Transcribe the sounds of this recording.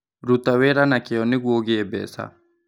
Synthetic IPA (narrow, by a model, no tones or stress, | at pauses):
ɾut̪ːaweɾanakɛɔnːiɡwoɡiebɛ̰ːsa̰